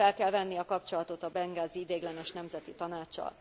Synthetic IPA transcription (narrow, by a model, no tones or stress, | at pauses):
ɛlkɛlvɛnːiɒkɒpt͡ʃo̞lɒt̪o̞t̪ɒbɛŋɡaːziid̪eːɡlɛnɛʃnɛmzɛt̪it̪ɒnaːt͡ʃːɒ̰l